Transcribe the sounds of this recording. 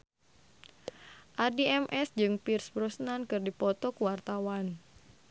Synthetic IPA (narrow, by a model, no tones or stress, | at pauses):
ʔardiɛmʔɛsd͡ʒɨŋpirsbɾɔsnankɨrdipɔt̪ɔkuwart̪awan